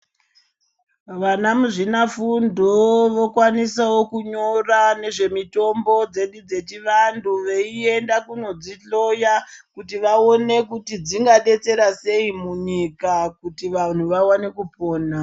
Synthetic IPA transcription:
ʋanamuʐinafundʱoʋo̞kwanisawo̞kuɲo̞rane̞ʐe̞mito̞mbo̞d͡ze̞ɗud͡ze̞t͡ʃiʋandʱuʋeie̞ndakuno̞d͡ziɬo̞jakutiʋao̞ne̞kutid͡ziŋɡaɗe̞t͡se̞ɾase̞imuɲikakutiʋan̤uʋawane̞kupoːna

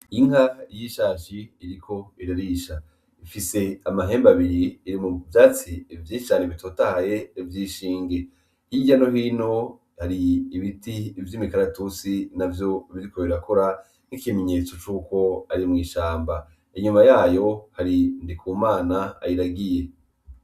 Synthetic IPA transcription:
iŋɦajiʃaːʃiːɾikʰo̞iɾaɾiʃa | ifise̞amaɦe̞ːmbaβiɾiːɾimuvjaːt͡sivjiːit͡ʃaːneβitʰo̞ːtahaje̞vjiːʃiːŋɡe̞ | hiɟano̞ɦiːno̞ | haɾiːβitiːvjiːmikaɾatut͡sinavjo̞iβiɾikoeieɾakoɾa | n̥ikime̞ɲe̞t͡so̞t͡ʃuːko̞aɾimŋiːʃaːmba | iɲumajaːjo̞haɾindikʰuːmaːnaa̰jiɾaɡije̞

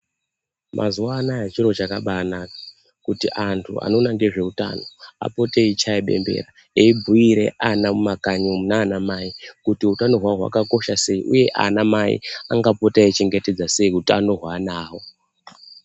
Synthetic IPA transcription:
mʔa̰zuwanaet͡ʃiɾo̞t͡ʃakaɓana | kutiʔantʰṵa̰no̞naŋɡe̞ʐe̞uta̰no̞a̰po̞teit͡ʃʰaiɓe̞̰mbe̞̰ɾa | eibʱuiɾe̞̰ʔanamumakaɲomunaːnamaikutiutano̞ɦwaɦwa̰kako̞ʃase̞iʔuje̞ʔa̰namaḭaŋɡapo̞tait͡ʃe̞ŋɡe̞te̞d͡zase̞iutiano̞ɦwaːnaːwo̞

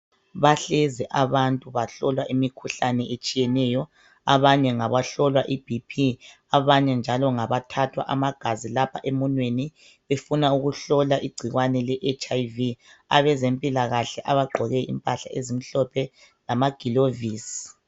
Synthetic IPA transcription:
βaɬɛzɛʔaβantʼuβaɬɔlwaʔimikʰuɬanɛʔet͡ʃʼijɛnɛjɔ | aβaɲɛŋaβaɬɔlwaʔib̥ʱipʰi | aβaɲɛnd͡ʒʱalɔŋaβatʰatʰwa̰ʔamaɡ̥ʱazilapʰa̰ʔemunweni | βefunauɣuɬɔlaʔiɡ͡ǀʱiɣwanɛlɛʔet͡ʃʼaiviaβɛzempʼilaɣaɬɛʔaβaɡ͡ǃʱɔɣɛḭmpʼaɬa̰ezim̩ɬɔpʰɛ | lamaɡ̥ʱiloviːsi̥

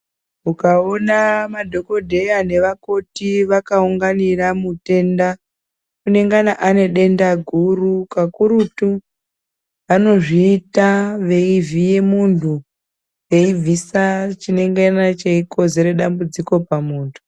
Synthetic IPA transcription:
ukao̞namadʱo̞ko̞dʱe̞jane̞ʋako̞tiʋakauŋɡaniramute̞nda | kune̞ŋɡanaʔane̞ɗe̞ndaɡʱurukakuɾutu | ʋano̞ʐiːtaʋe̞ivije̞muntʰu | ʋe̞ivʱisat͡ʃine̞ŋɡanat͡ʃeiko̞ze̞ɾe̞ɗambud͡ziko̞pamuːntʰu̥

